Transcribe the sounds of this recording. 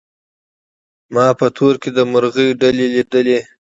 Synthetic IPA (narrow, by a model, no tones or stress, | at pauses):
mɑpət̪ʰoɾked̪əmʊɾɣəjɖaleliɖ̪əle